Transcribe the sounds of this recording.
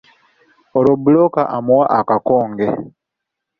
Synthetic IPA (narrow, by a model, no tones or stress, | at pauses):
ɔɾɔbulɔkaʔamuwaʔakakɔːŋɡɛ